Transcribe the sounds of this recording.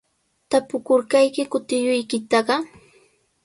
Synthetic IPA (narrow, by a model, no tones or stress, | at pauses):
t̪apʊkʊɾkajkɪkʊt̪ɪjʊjkɪt̪ɑɢɑ